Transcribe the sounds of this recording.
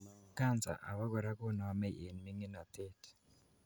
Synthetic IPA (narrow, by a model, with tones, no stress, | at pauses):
ka˦˨nt͡sa̰˨ʔa̰˨βa˦ɡɔ˨ɾa˦ko˦na˨a˨˦mɛ˦ʔe˨nmi˦ŋi˦na˨t̪e˦t